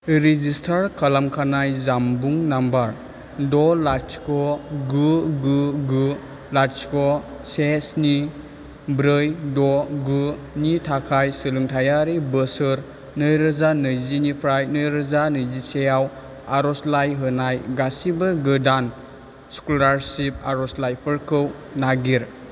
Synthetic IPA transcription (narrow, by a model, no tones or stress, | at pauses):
ɾizistʰaɾkʰalamkʰanajzambuŋnambaɾ | dɔlaɾskɔɡuɡuɡu | laɾskɔsesni | bɾɯjdɔɡu | nitʰakʰajsɯlɯŋtʰajaɾibəsɯɾ | nɯjɾɯzanɯjzinipʰɾajnɯjɾɯzanɯjzisejaw | aɾɔslajɦɯnajɡasibɯɡɯdan | skulaɾsip̚aɾɔslajpʰɯɾkʰɯw | naɡiɾ